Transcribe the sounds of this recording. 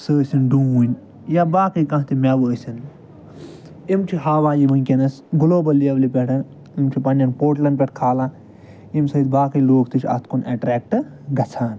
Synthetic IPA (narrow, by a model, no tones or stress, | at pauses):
səːsinɖuːunʲ | jabaːkɐkɐ̃ɦt̪imʲeʋəːsin | imt͡ʃʰiɦaːʋaːjiʋɐnʲkʲɐnɐs | ɡuloːbɐliɐblipʲɛʈɐn | imt͡ʃʰipɐnːɐnpoːʈlɐnp̬ʲeʈkʰaːlãː | imsɐːid̪̚baːkɐjloːkt̪it͡ʃʰʲɐ̰st̪kuneːʈɾeːk̚ʈɨ | ɡɐt͡sʰaːn